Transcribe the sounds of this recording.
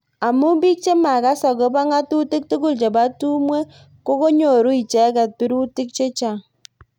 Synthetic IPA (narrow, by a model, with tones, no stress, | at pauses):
a˨mu˦bi˦k̚t͡ʃe˦ma˨ka˦sa˨ko˨˦ba˦ŋa˦tu˦ti˦k̚tu˦ku˦˨lt͡ʃe˨ba˦tu˦mwe˦ | ko˦ko˦ɲo˨ɾu˦i˨t͡ʃɛ˨˦ka˨t̚pi˦ɾu˦tɪ˦k̚t͡ʃe˦t͡ʃa˨